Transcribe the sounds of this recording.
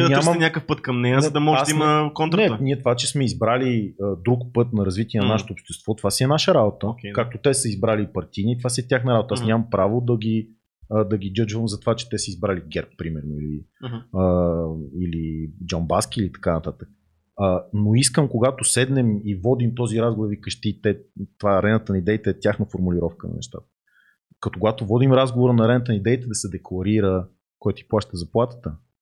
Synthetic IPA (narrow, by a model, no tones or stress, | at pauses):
d̪ɲʲamɐɛnʲakəfpɤt̪kɐmnɛjəzɐd̪ɐmɔʒiməkont̪ɾɛniɛt̪ovat͡ʃɛsmɛizbɾaliəd̪ɾukpɤt̪nɐɾɐzvit̪iɛnɐnaʃɛ̥t̪oːpʃt̪ɛst̪vɔt̪ovasʲiɛnaʃəɾabot̪əkɛkak̚t̪ot̪ɛsəizbɾalipɐɾt̪init̪ovasiɛt̪ʲjaxnɐɾabot̪ɐasnʲɲamɐmpɾavod̪ɐɡʲi | əd̪ɐɡʲid͡ʒɤd͡ʒvəmzɐt̪ovat͡ʃɛ̥t̪ɛsəizbɾaliɡɛɾpːɾimɛɾnoiliə | ilid͡ʒɔnbaskʲiːlit̪ɐ̥kanɐt̪at̪ək̚ | ənoiskəmkoɡat̪osɛd̪nɛmivɔd̪imt̪ɔziɾazɡovoɾvikəʃt̪it̪ɛt̪ovaɾɛnət̪ənɐid̪ɛit̪ɛɛt̪ʲjaxnəfoɾmuliɾɔfkənɐ̰nɛ̰ʃt̪a̰t̪ə̥ | kət̪okʊɡat̪ovɔd̪imɾazɡovoɾənɐɾɛnət̪ənid̪ɛit̪ɛd̪ɐsɛd̪ɛklˠɐɾiɾə | kɔjt̪iplˠaʃt̪əzɐplˠat̪ə̥t̪ə